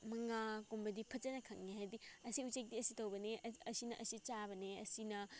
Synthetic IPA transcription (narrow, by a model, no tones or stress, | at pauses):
mɐŋakombɐdipʰɐt͡ʃɐnɐkʰɐŋniɦajdiɐsiut͡ʃek̚diɐsitowbɐneɐsinɐʔɐsit͡ʃabɐneɐ̰sinɐ